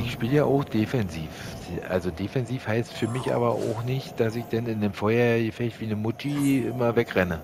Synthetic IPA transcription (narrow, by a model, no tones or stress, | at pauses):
ʔɪçʃpiːləjaːʔaʊxd̥efɛnziːf | ʔa̰lzodeːfɛnziːfhaɪstfyːɐmɪçʔa̰ːbɐʔa̰ʊxnɪçtd̥asɪçd̥anɪndemfɔʏɐjəfɛçv̥iːnəmʊt͡ʃiʔɪ̰mɐvɛkʁɛnə